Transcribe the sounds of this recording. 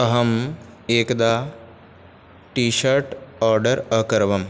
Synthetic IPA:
ɐɦɐm | eːkd̪aː | ʈiːʃɐɾʈɔːɾɖɐɾɐkɐɾʋɐm

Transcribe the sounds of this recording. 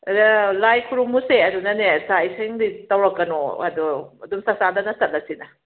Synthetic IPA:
lajkʰuɾumuseɐdunɐnesaiseŋditɐwɾɐkːɐnoɐ̰duɐdumsɐk̚sadɐnɐsɐt̚lɐsinɐ

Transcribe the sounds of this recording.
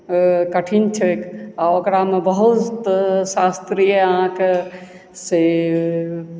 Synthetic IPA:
kəʈʰint͡ʃʰekaokɾamebəɦut̪sast̪ɾijəəɦãke | se

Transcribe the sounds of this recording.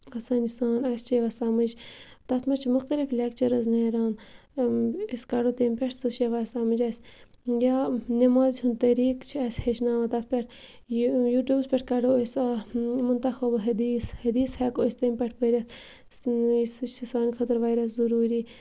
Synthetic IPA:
ɐsaːnisaːnɐst͡ʃeʋɐsɐmɨd͡ʒt̪ɐt̪ʰmɐt͡ʃʰmʊxt̪ɐliflʲekt͡ʃɐɾɐznɐːɾaːn | eskɐɖoːt̪empʲɛʈʰsɨʃeʋaːsɐmɨd͡ʒɐsʲ | jaːnɐmaːzt͡ʃʰunt̪ɐɾiːkt͡ʃʰiɐsʲhet͡ʃnaːʋɐt̪ɐt̪̚ʰpʲeʈʰ | juːʈjuːbspʲɛʈʰkɐɖoosmʊnt̪ɐxɐbɦɐd̪iːshɐd̪iːshɛkosʲt̪emʲpʲɛʈʰpɐɾʲɐs | isɨt͡ʃisaːnixʰɐt̪ɐɾʋaːjɾɐs̬zɐɾuːɾiː

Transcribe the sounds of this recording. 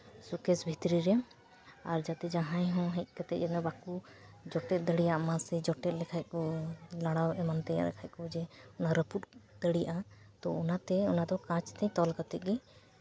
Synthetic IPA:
sukɛsbʱit̪ɾiɾɛ | aɾd͡ʒat̪ɛd͡ʒaɦãjɦɔ̃ɦɛc̚ˀkat̪ɛɛt̪mɛbakud͡ʒɔʈɛt̪̚d̪əɽijaʔmãsɛd͡ʒɔʈɛt̪̚lɛkʰaj̚kɔlaɽ̃awɛmant̪ɛja̰lɛ̰kʰajc̚kɔd͡ʒɛɔnaɾəput̪̚d̪̥əɽijaʔa | t̪ɔɔnat̪ɛɔnad̪ɔkãt͡ʃt̪ɛɲt̪ɔlkat̪ɛt̪̚ɡɛ

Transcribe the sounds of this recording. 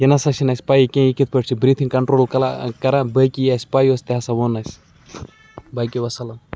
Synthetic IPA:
jɐnɐsɐʃinɐsʲpaːjikʲẽikit̪̚ʰpəʈt͡ʃʰibɾit̪ʰĩkɐɳʈɾoːlkɐla̰kɐɾãːbəkʲijasʲpaːjosʲt̪eɦasɐʋonasʲ | baːjkʲiʋɐsɐlɐm

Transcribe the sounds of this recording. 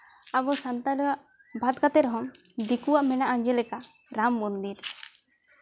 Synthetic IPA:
abɔsant̪alɔwaʔ | bʱat̪̚kat̪ɛɾɦɔmd̪ikuwaʔmɛnaʔaɲd͡ʒɛlɛka | ɾamːund̪iɾ

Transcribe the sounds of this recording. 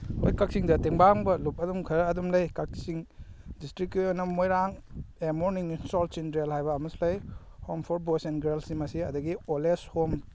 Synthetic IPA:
hojkak̚siŋdɐteŋbaŋbɐlup̚ɐdumkʰɐɾːdumlɐjkak̚siŋdistɾikːjonːɐmojɾaŋemoɾniŋnisɔlt͡ʃindɾelhajbɐːmuslɐj | hompʰoɾ̚bosenɡeɾlsimɐsiɐdɐɡioleshom

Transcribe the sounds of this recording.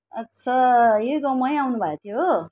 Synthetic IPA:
ʌtːsʰʌjeɡʌmʌjawnubʱat̪ʰijo

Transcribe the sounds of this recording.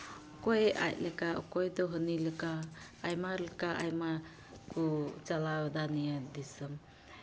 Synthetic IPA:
ɔkɔja̰c̚ləkaʔɔkɔjd̪ɔɦəniləkaː | jmaləkaʔa̰jma | kut͡ʃalawad̪anijad̪isəm

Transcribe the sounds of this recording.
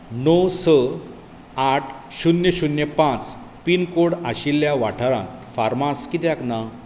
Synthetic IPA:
nosə | aʈʰɕunjəɕunjəpãt͡s | pinkoɽaɕilːjaʋa̰ʈʰaɾã̰t̪faɾmaskit̪jakna

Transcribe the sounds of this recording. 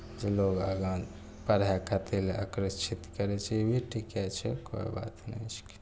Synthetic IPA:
d͡ʒeloɡəɡãn | pəɾakʰat̪ʰila̰kɾət͡ʃʰit̪kəɾɛt͡ʃʰɛebʱiʈʰikɛt͡ʃʰɛko̰iba̰t̪nɛ̰t͡ʃʰke̥

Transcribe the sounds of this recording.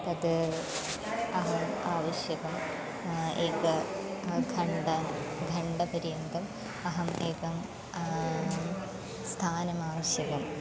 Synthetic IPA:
t̪ɐd̪ɨ | ɐɦɐmaːʋɐɕjɐɣɐm | eːkɐ | ɡʱɐɳɖɐɡʱɐɳɖɐpɐɾijɐnd̪ɐm | ɐɦɐmeːkɐm | st̪ʰaːnɐmaːʋɐɕjɐɣɐm

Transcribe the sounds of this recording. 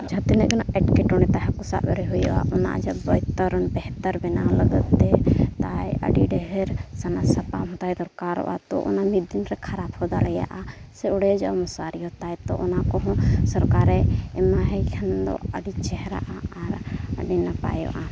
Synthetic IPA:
d͡ʒʱat̪inɛʔɡɔnaʔɛʈkɛʈɔnɛt̪aɦɛkusa̰ʔbɛɾɛɦujɔ̰ʔa̰ʔɔna̰ʔd͡ʒabɔjt̪əɾɔnbɛɦt̪əɾbɛnaləɡət̪ːɛt̪ajə̰ɖiɖɛɦɛɾsanasapamɦɔt̪ajd̪ɔɾkaɾɔ̰ʔa̰t̪ɔ̰ʔɔ̰namid̪inɾɛkʰaɾaphɔd̪alɛja̰ʔasɛɔɽɛd͡ʒa̰ʔmɔsaɾiɔt̪ajt̪ɔ̰ʔɔnakɔɦɔ̃sɔɾkaɾɛɛmaɦɛkʰɛnd̪ɔ̰əɖit͡ʃɛɦɾa̰ʔaaɾə̰ɖinapa̰jɔ̰ʔa

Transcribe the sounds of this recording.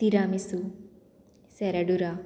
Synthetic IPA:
t̪iɾamisu | seɾɐɖuɾa

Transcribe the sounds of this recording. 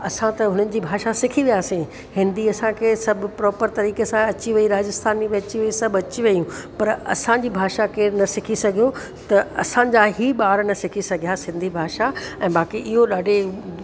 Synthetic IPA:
ɐsãt̪ɐɦʊnənɪ̆d͡ʑiːbʱaːʃasɪkʰiʋijaːsẽ | hɪ̃nd̪iɐsãkʰeːsɐbʱʊ̆pɾɔːpəɾt̪ɐɾiːkesãɐt͡ɕiʋɐiɾaːd͡ʑɪst̪ʰaːniʋẽːt͡ɕiʋɐisɐbɐt͡ɕiʋɐjũpɐɾɐ̰sãd͡ʑiːbʱaːʃakeːnɐsɪkʰisɐɡʱijo | t̪ɐɐsãd͡ʑaːɦiːɓaːɾnɐsɪkʰisɐɡʱijasɪ̃nd̪ʱibʱaːʃaɛ̃ːɓaːkiʔɪɦoɗaːɖʱe

